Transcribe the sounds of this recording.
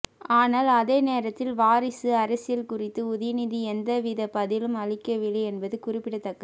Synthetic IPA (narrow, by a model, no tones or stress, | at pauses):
aːnaːlɐðeːneːɾɐt̪ːɪlʋaːɾɪsɯɐɾɐsɪjɐlkʊrɪt̪ːɯʊðɪnɪðiɛnd̪ɐʋɪðɐpɐðɪlɯmɐɻɪkːɐʋɪɭɐɪɛnbɐðɯkʊrɪpːɪɽɐt̪ːɐkːɐ